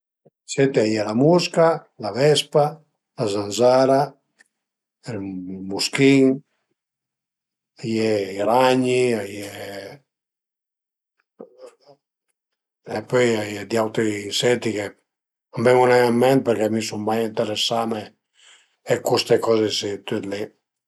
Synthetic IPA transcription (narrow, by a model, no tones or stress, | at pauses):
set̪iajɛlamuska | lavɛspa | lazanzaɾa | ɛlmuskiŋ | ajɛiɾaɲiaje | epːøjajɛd̪iawt̪ɾisɛt̪ike | ambɛmunajamːɛnt̪̚pɛɾkɛmisummajint̪eɾesame | ɛkust̪ekɔzesit̪yt̪lɛ